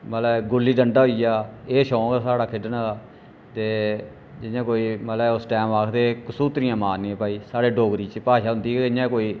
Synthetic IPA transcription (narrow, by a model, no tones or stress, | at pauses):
məlɛɡʊlːiːɖəɳɖaːɦoːijaːeːʃɔ̃ːɡasaːɽaːkʰɪɖənaːaː | t̪eː | d͡ʒɪjãːkoːiːməlɛʊsʈɛːmaːkʰd̪eːkəsuːt̪ɾɪjãːmaːnːiːẽːpaːiːsaːɽeːɖoːɡɾiːt͡ʃpaːʃaːɦʊ̃nd̪iːeɪjãːkoːiː